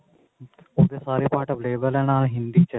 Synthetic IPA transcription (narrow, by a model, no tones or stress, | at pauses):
oːd̪esaːɾipaːɾʈɔʋleːbəlɛnaːlɦɪ̃nd̪it͡ʃɛ